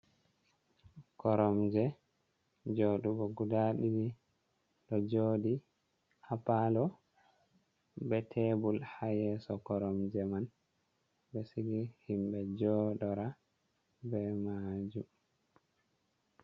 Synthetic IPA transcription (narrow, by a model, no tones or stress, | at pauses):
kɔɾɔmd͡ʒɛ | d͡ʒoɗubɔɡudaɗidi | ɗɔd͡ʒoːdi | hapalɔ | bɛtʰɛbulhajɛsɔkɔɾɔmd͡ʒɛman | bɛsiɡihimbɛd͡ʒɔɗɔɾa | bɛmad͡ʒum